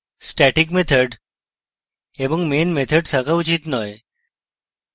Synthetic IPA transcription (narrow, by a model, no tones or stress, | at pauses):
sʈɛʈikmet̪ʰəɖ | eʋəŋkmenmet̪ʰəɖsəkaʋut͡ʃit̪nɔj